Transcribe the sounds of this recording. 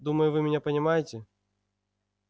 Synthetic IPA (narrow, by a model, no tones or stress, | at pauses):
d̪uməjʊvɨmʲɪnʲapɐnʲɪmajɪtʲɪ